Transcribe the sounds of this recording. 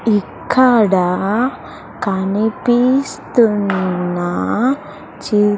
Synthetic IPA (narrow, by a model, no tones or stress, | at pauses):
ikʰːaɽa | kanipist̪una | t͡ɕi